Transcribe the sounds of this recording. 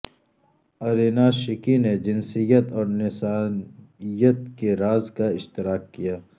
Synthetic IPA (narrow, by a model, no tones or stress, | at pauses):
ɐɾinaʃɪkined͡ʒɪnsijət̪ɔːɾnɪsaːn | ijət̪̚keɾaːzkaɪʃt̪ɪɾaːkːijaː